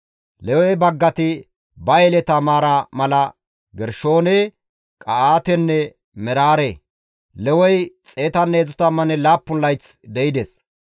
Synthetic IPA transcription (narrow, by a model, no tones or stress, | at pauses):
lɛwɔjbɐɡːɐt̪ɪ | bɐjɛlɛt̪ɐmaːɾɐmɐlɐ | ɡɛɾʃo̞ːne | kʼɐaːt̪ɛnːɛ | mɛɾaːɾe | lɛwɔjt͡sʼeːt̪ɐnːeːzʊt̪ɐmɐnɛlaːpːʊnlːɐjt͡sd̪ɛjɪd̪ɛs